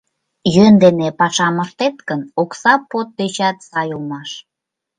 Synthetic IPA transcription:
jønd̪enepɑʃɑməʃt̪et̪kənoksɑpot̪̚d̪et͡ɕɑt̪sɑjumɑʃ

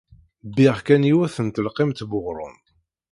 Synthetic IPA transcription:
bɪʁkæniwæθənt̪əlqɪmt̪bʊʁɾˤʊ̰n

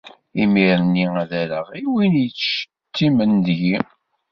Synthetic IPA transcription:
imiɾnːiæðæɾəʁiwinjət͡sːʃə̥ | t̪ːimənd̪ʝi

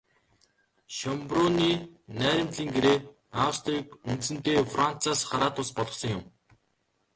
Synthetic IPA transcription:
ʃɔmprʊniːnæːɾʲɪ̆mt̪ɮiːŋɡeɾeː | awst̪riːkunt̪sɘ̆nt̪eːfran̥t͡sʰaːsχaɾaːt̪ʊspɔɮʁɞ̆sɞ̆ŋjʊm

